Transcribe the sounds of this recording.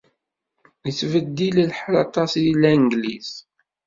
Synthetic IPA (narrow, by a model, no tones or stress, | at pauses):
it͡sːvəd̪ːillħlɑ̰t̪ˤɑsilæŋɡlis